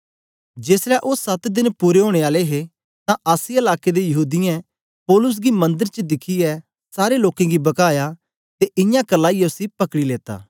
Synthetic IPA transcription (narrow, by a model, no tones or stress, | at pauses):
d͡ʒeːsɾɛʔoːsɐt̪d̪ɪnpuːɾeɦoːɽ̃eaːleɦe | t̪ãʔaːsiɪlaːked̪ejɐɦuːd̪ɪjɛ̃ | pɔːlʊs̬ɡimɐ̃nd̪əɾt͡ʃəd̪ɪkʰiɛ | saːɾeloːkẽɡibɐkaːja | t̪eʔɪjãkɐlːãijosipɐkɽileːt̪a̰ː